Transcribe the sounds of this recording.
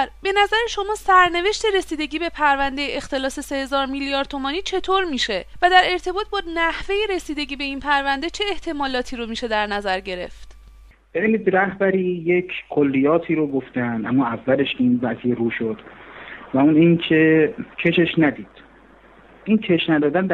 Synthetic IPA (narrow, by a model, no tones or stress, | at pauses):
be̞næzæɾeʃo̞mɒːsæɾne̞ve̞ʃt̪e̞ɾe̞siːd̪e̞ɟiːbe̞pʰæɾvænd̪e̞jeʔext̪e̞lɒːse̞se̞he̞zɒːɾmilijɒɾd̪̚t̪ʰomɒːniːt͡ʃʰe̞t̪ʰoɾmiːʃe̞væd̪æɾe̞ɾt̪ʰe̞bɒːt̪̚bɒːnæhve̞je̞ɾe̞siːd̪e̞ɟiːbe̞inpʰæɾvænd̪e̞t͡ʃʰe̞ːht̪ʰe̞mɒːlɒːt̪ʰiːɾomiːʃe̞d̪æɾnæzæɾɟe̞ɾe̞̰ft̪ | b̥eviniːd̪ɾæhbæɾiːjecʰkʰolːijɒːt̪ʰiːɾoɡoft̪ænd̪ʔæmːɒːævːæle̞ʃinvæzijeɾuːʃod̪̥væuniːncʰe̞cʰe̞ʃeʃnæd̪iːd̪̥ | ʔincʰeʃnæd̪ɒːd̪ænd̪